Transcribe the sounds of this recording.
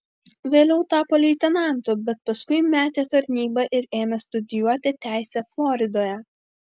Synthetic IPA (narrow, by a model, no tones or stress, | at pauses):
ʋʲeːlʲɛʊt̪ɑːpoːlʲiːt̪ʲɛnɑˑnˑt̪ʊbʲɛt̪̚pɐskʊɪmʲæːt̪ʲeːt̪ɐɾʲnʲiːbɐʔɪɾeːmʲɛst̪ʊd̪ʲɪjuɔt̪ʲɪt̪ʲæˑɪsʲɛflˠɔɾʲɪd̪oːjɛ